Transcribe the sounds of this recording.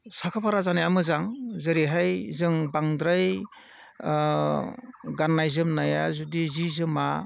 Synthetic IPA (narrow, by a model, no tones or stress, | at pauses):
sakʰapʰaɾazanajamɯzaŋzɯɾiɦajzɯŋbaŋdɾaj | ɡanːajzɯmnajazudizizɯma